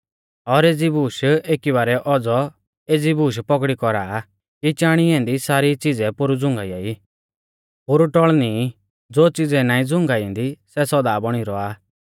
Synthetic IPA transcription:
ɔɾeːd͡zibuːʃeːkibaːɾɛʔɔd͡zɔ | eːd͡zibuːʃ̬pɔkɽikɔɾaː | kit͡ʃaːɽ̃iɛ̃ːnd̪isaːɾit͡sɪd͡zɛpʊɾud͡zʊ̃ŋɡaiai | poːɾuʈɔɭni | d͡zoːt͡sɪd͡zɛnãːĩd͡zʊ̃ŋɡaĩnd̪isɛsɔd̪aːbɔɽ̃iɾɔaː

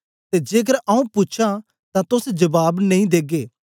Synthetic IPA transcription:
t̪eːd͡ʒeːɡəɾʔɐũpʊːt͡ʃʰã | t̪ãt̪ʊsd͡ʒɐbaːbnɐ̃ɦĩd̪eːɡeː

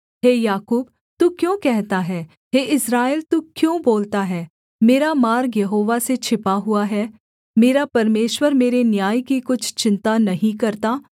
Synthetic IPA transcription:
ɦeːjaːkuːb | t̪ukjõːkɛɦt̪aɦɛː | ɦeːɪsɾaːelt̪uːkjõːboːlt̪aɦɛː | meːɾamaːɾɡjɐɦoːʋaset͡ʃʰɪpaɦʊaɦɛː | meːɾapɐɾmeːʃwəɾmeːɾenjaːjkikʊt͡ʃʰt͡ʃɪ̃nt̪anɐɦĩkɐɾt̪aː

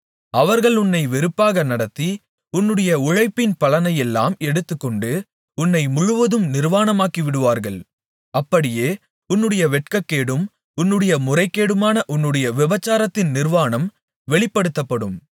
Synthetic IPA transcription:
ɐʋɐɾɣɐɭʊnːɐɪʋɛɾɯpːaːɣɐnɐɽɐt̪ːi | ʊnːɯɽɐjɐʊɻɐɪpːɪnpɐlɐnɐjɛlːa̰ːmɛɽɯt̪ːɯkːɔɳɖɯ | ʊnːɐɪmʊɻɯʋɐðɯmnɪɾʋaːnɐmaːkiʋɪɽɯʋaːɾɣɐɭ | ɐpːɐɽɪjeː | ʊnːɯɽɐjɐʋɛʈkɐkːeːɽɯm | ʊnːɯɽɐjɐmʊrɐɪkːeːɽɯmaːnɐʔʊnːɯɽɐjɐʋɪbɐt͡ʃːaːɾɐt̪ːɪnnɪɾʋaːnɐm | ʋɛɭɪpːɐɽɯt̪ːɐpːɐɽɯm

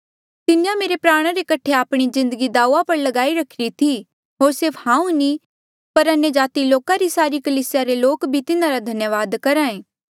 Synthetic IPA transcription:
t̪ɪnɪjãmeːɾepɾaːɽ̃aɾekɐʈʰeaːpɽ̃izɪ̃nd̪əɡid̪aːuapɐɾlɐɡaːiɾɐkʰɪɾit̪ʰi | ɦoːɾsɪɾfʰhãːũni | pɐɾɐnjəd͡ʒaːt̪iloːkaɾisaːɾikɐliːsɪjaɾeloːkbʱit̪ɪnãɾad̪ʱɐnjəʋaːd̪kɐɾaːẽː

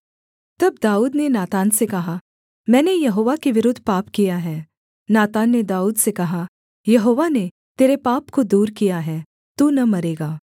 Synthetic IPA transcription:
t̪ɐbd̪aːuːd̪nenaːt̪aːnsekɐɦa | mɛ̃ːnejɐɦoːʋakeʋɪɾʊd̪ʱːpaːpkijaɦɛː | naːt̪aːnːed̪aːuːd̪sekɐɦa | jɐɦoːʋane | t̪eːɾepaːpkod̪uːɾkijaɦɛː | t̪uːnɐmɐɾeːɡaː

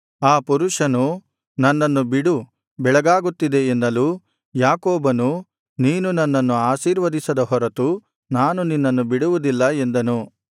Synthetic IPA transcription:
aːpuɾuʂɐnu | nɐnːɐnːubiɽu | bɛɭɐɡaːɡut̪ːid̪e̞ːnd̪ɐluː | jaːkoːbɐnu | niːnunɐnːɐnːuaːʃiːɾʋɐd̪isɐd̪ɐɦɔɾɐt̪u | naːnuninːɐnːubiɽuʋud̪ilːɐe̞nd̪ɐnu

